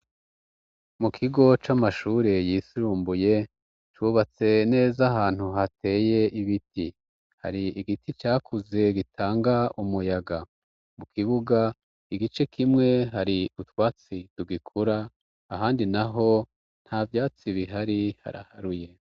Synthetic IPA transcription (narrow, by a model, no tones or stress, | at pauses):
mukʰiɡo̞t͡ʃamaʃuːɾe̞jisiɾuːmbuje̞ | t͡ʃuβat͡se̞ne̞ːzaɦaːn̥huɦate̞ːje̞ʔiβiti | ha̰ɾiiɡitit͡ʃaːkʰuze̞ɡitʰaːŋɡaumujaɡa | mukʰiβuɡa | iɡit͡ʃe̞kʰimŋe̞ɦaɾiutwaːt͡siduɡikʰuɾaː | ɦaːndinaɦo̞ | n̥havjaːt͡siβiɦaɾiha̰ɾa̰haɾuje̞